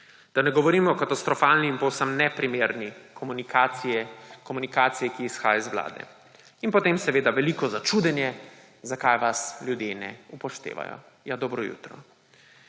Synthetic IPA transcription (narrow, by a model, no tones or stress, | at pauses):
d̪̥anɛɡɔʋɔɾiːmɔkat̪ast̪ɾɔfaːlniːmpɔwsəmnɛpɾimeːɾnikɔmunikaɛkɔmunikaːt̪sijɛkiːsxaːjaizʋla̰ːd̪ɛ̰ | inpɔt̪eːmsɛʋeːd̪aʋɛlikɔzat͡ʃuːd̪ɛnjɛ | zakajʋasljud̪jenɛ̰upɔʃt̪ḛːʋa̰jɔ̰ | jad̪ɔbɾɔjṵːt̪ɾɔ̰